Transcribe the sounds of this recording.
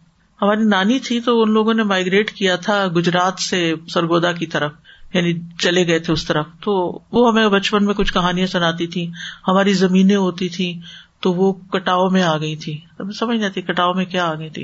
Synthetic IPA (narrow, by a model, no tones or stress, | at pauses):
hɐmaːɾinaːnit̪ʰit̪oʊnloːɡõnemaːɪɡɾeːʈkijat̪ʰaɡʊd͡ʒɾaːt̪sesɐɾɡoːd̪ak̬it̪ɐɾəfjaːnit͡ʃɐleɡɐet̪ʰeʊst̪ɐɾəft̪oːʋoɦɐmẽbɐt͡ʃpənmẽkʊt͡ʃʰkɐɦaːnijãsʊnaːt̪it̪ʰĩhɐmaːɾizɐmiːnẽɦoːt̪it̪ʰĩt̪oʋokɐʈaːomẽaːɡɐit̪ʰĩː | sɐməd͡ʒʱnaːt̪iikɐʈaːõmẽkjaaːɡɐit̪ʰḭ